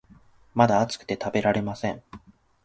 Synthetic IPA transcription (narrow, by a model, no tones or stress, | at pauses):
mad̪aːt͡sɨ̥kɯ̟̥t̪e̞t̪abe̞ɾaɾe̞masẽ̞ɴ